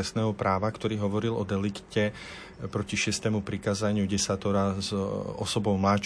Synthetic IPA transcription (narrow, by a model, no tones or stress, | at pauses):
ɛsnɛːɦɔpɾaːʋakt̪ɔɾiːɦɔʋɔɾilɔd̪ɛlikcɛ | pɾɔciʃɪɛst̪ɛːmupɾikaːzaɲɪuɡɟɛsat̪ɔɾazɔ̰sɔbɔʊmlaːt͡ʃ